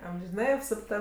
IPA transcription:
ɐmʲʒʲɪˈnɐɪ ɐpsʊpˈtɐ

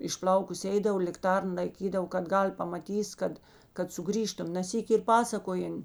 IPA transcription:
ɪʃˈplˠɐʊkʊs ˈɛɪdɐw lʲɪkˈtɐrn lˠɐɪˈkʲiːdɐʋoː kɐt ˈɡɐlʲ pɐmɐˈtʲiːs ˈkɐt kɐt sʊˈɡrʲiːʃtʊm nɐ ˈsʲiːkʲɪ ɪr ˈpɑːsɐkoːjɛn

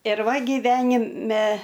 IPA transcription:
ɪr ˈʋɐ ɡʲɪˈʋʲæːnʲɪmʲɛ

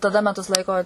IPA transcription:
tɐˈdɐ mʲɛˈtʊs ˈlˠɐɪkoː

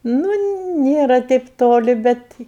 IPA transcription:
nʊ ˈnʲeːrɐ tʲɛɪp ˈtoːlʲɪ ˈbʲɛt

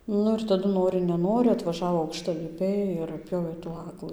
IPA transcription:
ˈnʊ ɪr tɐˈdʊ ˈnoːrʲɪ nʲɛˈnoːrʲɪ ɐtʋɐˈʒɑːʋoː ɐʊkʃtɐlʲɪˈpʲɛɪ ɪr ɐtʲˈpʲjoːʋʲeː tuː ˈɑːɡlˠɨ

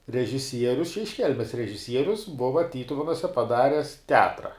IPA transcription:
rʲɛʒʲɪˈsʲiɛrʲʊs ɪʃ ˈkʲɛlʲmʲɛs rʲɛʒʲɪˈsʲiɛrʲʊs ˈbʊʋɐ ˈtʲiːtʊʋʲɛnʊsʲɛ pɐˈdɑːrʲɛs tʲɛˈɑːtrɐ

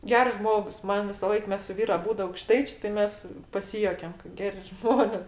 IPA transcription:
ˈɡʲɛrs ˈʒmoːks ˈmɐn ʋʲɪsɐˈlˠɐɪk ˈmʲɛs sʊ ˈʋʲiːrʊ ɐˈbuːdʊ ɐʊkˈʃtɐɪt͡ʃʲeː tʲɪ ˈmʲɛs pɐˈsʲɪjuɔkʲɛm kɐ ˈɡʲæːrʲɪ ˈʒmoːnʲeːs

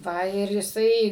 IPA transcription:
ˈʋɐ ɪr jɪˈsɐɪ

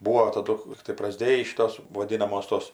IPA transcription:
ˈbuːoː tɐˈdʊ ˈlʲiːktɐɪ prɐˈzʲdʲeːjiː ˈʃʲɪtoːs ʋoːˈdʲɪnɐmoːs toːs

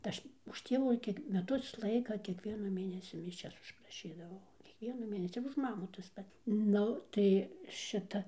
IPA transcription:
tɐ ˈɐʃ ʊʃ ˈtʲiɛʋuː ˈkʲiɛk mʲɛˈtʊs ˈlˠɐɪkɐ kʲiɛkˈʋʲiɛnɐ ˈmʲeːnʲɛsʲɪ mʲɪˈʃʲɛs ʊʃprɐˈʃʲiːdɐʋɐʊ kʲiɛkˈʋʲiɛnʊ ˈmʲeːnʲɛsʲɪ ɪr ʊʃ ˈmɑːmuː tɐs ˈpɐt ˈnʊ ˈtɐɪ ˈʃʲɪtɐ

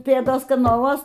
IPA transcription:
ˈpʲeːdoːs kɐnɐˈlˠuɔs

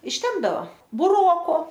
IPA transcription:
ɪʃʲˈtʲɛmbdɐʋɐ bʊˈroːkoː

